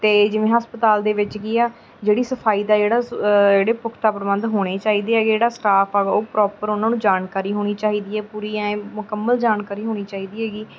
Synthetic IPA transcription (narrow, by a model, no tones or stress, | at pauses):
t̪eːd͡ʒɪʋẽːɦəspət̪aːld̪eːʋɪt͡ʃɡiːaː | d͡ʒeːɽiːsəpʰaːiːd̪aːd͡ʒeːɽaːd͡ʒeːɽeːpʊkʰt̪aːpɾəbənd̪ɦoːɽ̃eːt͡ʃaːiːd̪eːɛːɡed͡ʒeːɽaːsʈaːpʰaːɡoːpɾɔːpəɾʊnãːnũːd͡ʒaːnkaːɾiːɦoːɽ̃iːt͡ʃaːɦiːd̪iːɦɛːpuːɾiːɛ̃ːmʊkəmːəld͡ʒaːnkaːɾiːɦoːɽ̃iːt͡ʃaːɦiːd̪iːɦɛːɡiː